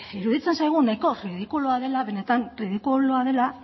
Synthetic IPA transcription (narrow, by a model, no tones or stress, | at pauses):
iɾuðit͡se̞nsajɣ̞unajko̞riðikuloaðe̞laβe̞ne̞t̪anriðikuloaðe̞la